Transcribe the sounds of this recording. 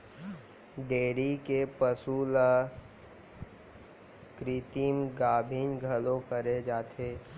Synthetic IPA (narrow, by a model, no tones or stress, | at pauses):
ɖeːɾikepəsuːla | kɾit̪imɡaːbʱiːnɡʱɐlõkəɾed͡ʒaːt̪ʰeː